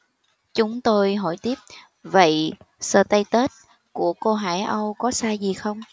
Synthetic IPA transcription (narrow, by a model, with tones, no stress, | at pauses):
t͡ɕʊ˨˦ŋ͡mt̪o˧jɦo̰˧˩jt̪i˦˥əp̚ | və̰˧˨jsəː˧˩t̪ə˧jt̪ə˦˥t̚ | ku˧˩əko˧ɦaː˧˩jʔə˧wkɔ˨˦saː˧zi˨˩xə˧wŋ͡m